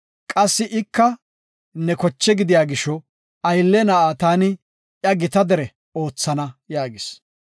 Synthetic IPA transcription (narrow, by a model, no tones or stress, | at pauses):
kʼɐsːɪʔɪkːɐ | nɛkɔt͡ʃːɛɡɪd̪ɪjaːɡɪʃɔ | ɐjlːɛnɐʔaːt̪aːnɪ | ʔjɐɡɪt̪ɐd̪ɛɾɛ | oːt͡sːɐnɐjaːɡɪs